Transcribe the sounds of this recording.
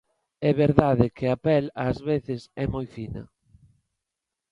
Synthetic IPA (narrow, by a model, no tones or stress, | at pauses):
ɛβeɾðaðɪkʰɪapɛlaːzβeθɪsɛmojfinɐ̰